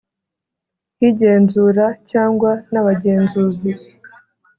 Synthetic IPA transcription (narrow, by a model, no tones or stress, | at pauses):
hiɟe̞ːnzuɾacaːŋɡwanaβaɟe̞ːnzuːzi